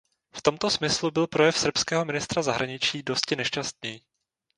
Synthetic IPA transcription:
ft̪o̞mt̪o̞smɪslubɪlpɾo̞jɛfsr̩pskɛːɦo̞mɪnɪst̪ɾazaɦɾʔaɲɪt͡ʃiːdo̞scɪnɛʃt͡ʃast̪̚ɲɛji

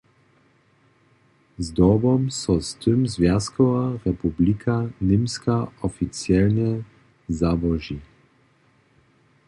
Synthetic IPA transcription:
zd̪ɔbɔmsɔst̪ɘmzvʲjaskɔvaʁɛpublikʰanɪmskaɔfitt͡sjɛlɲɛ | zabɔʒi

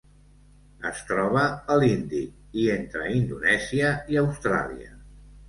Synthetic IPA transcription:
ə̰st̪ɾɔβ̞əːlind̪i | ient̪ɾə̰ind̪unɛziəiəwst̪ɾa̰liə̰

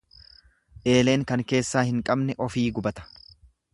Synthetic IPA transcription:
ʔe̞ːle̞ːŋkɐŋke̞ːsːaːhɪŋkʼɐbnɛʔɔfiːɡʊbɐt̪ɐ̥

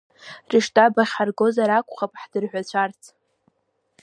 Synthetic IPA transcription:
riʂtʼabaχʲarɡo̞zaɾakʷʰʼχapʼħd̥ɨrħᶣʷat͡ɕʷʰart͡sʰʼ

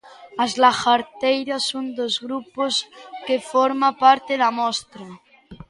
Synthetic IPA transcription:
azlaxaɾt̪ejɾasond̪ozɣɾuposkefoɾmapaɾt̪eðamɔst̪ɾa

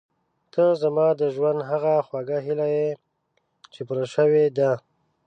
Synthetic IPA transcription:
t̪əzamɑd̪əʒwand̪ɦaɣaxwaɡaɦilaje | t͡ʃepuɾaʃəwed̪a

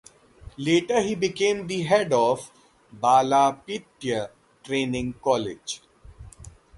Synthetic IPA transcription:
leːʈəɾɦiːbɪkẽːmd̪iɦɛɖɔːʋ | baːlaːpiʈ̪jə | ʈɾẽːnɪ̃ŋkɔːlɪ̰d͡ʒ

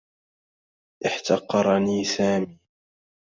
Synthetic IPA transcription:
ʔɪħt̪ɑqːɑɾˤɑniːsaːmiː

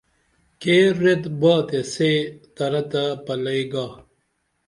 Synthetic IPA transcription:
keːɾed̪baːt̪eset̪ɐɾɐt̪apɐlɐiɡaː

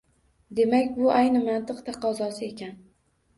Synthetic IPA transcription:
d̪e̞makʲbʊʔajnɪmant̪ʰɨqt̪ʰɑqʰɒzɒsɪe̞kʲan

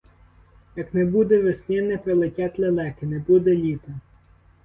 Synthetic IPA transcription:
jɐknɛbud̪ɛʋesnʲɛnɛpɾelˠetʲat̪ʲlʲelˠɛkɪnɛbud̪ɛlʲit̪ɐ

